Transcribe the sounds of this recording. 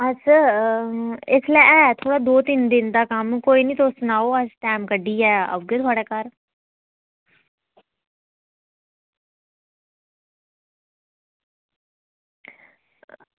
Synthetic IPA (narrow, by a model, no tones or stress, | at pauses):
ət͡ʃa | ɪsləɛːt̪ʰoːɽaːd̪oːt̪ɪnd̪ɪnd̪aːkəmkoːiːnĩːt̪oːsnaːoːəsʈɛːmkəɖiːɛːə̰ʋɡeːt̪ʰʊaːɽeːkəɾ